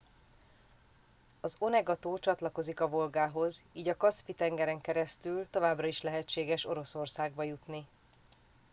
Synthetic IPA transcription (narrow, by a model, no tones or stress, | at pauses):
ɒzo̞nɛɡɒt̪oːt͡ʃɒt̪lɒko̞zikɒvo̞lɡaːɦo̞ziːɟɒkɒspit̪ɛŋɡɛɾɛŋkɛɾɛst̪ylt̪o̞vaːbrɒiʃlɛɦɛt͡ʃːeːɡɛʃo̞ɾo̞so̞rsaːɡ̚bɒjut̪ni